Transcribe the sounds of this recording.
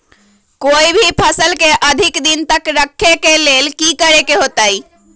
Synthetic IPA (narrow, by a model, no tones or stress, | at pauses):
koːibʱipʰəsəlkeʔəd̪ʱikd̪int̪əkɾəkʰːekelelkikəɾekeɦot̪ai